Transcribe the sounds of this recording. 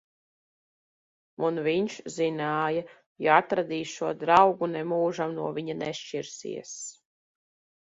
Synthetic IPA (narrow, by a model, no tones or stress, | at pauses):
unviɲʃzinaːja | jaat̪ɾad̪iːʃuɔd̪ɾawɡunɛmuːʒamnuɔvʲiɲanɛʃt͡ʃiɾsḭɛs